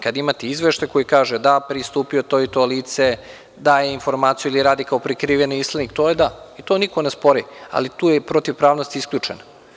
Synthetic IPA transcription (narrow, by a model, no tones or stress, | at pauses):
kad̪imat̪iizʋeʃt̪ajko̞jikaːʒed̪apɾist̪uːpiot̪oit̪oliːt̪se | d̪aːjeinfo̞ɾmaːt̪sijuiliɾaːd̪ikaopɾikɾiːʋjeniist̪lˠenikt̪o̞ːjed̪ait̪oːnikonespo̞ɾia̰lit̪uːjepɾot̪iʋpɾaːʋnost̪iiskʎʲuːt͡ʃeno